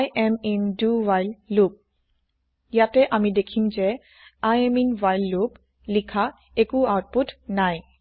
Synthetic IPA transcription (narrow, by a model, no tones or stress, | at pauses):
jɛmɛmduwajlːup̚ | jatɛʔamidekʰimzɛ | ajɛminwajlːup | likʰa | ekuawt̚putʰnaj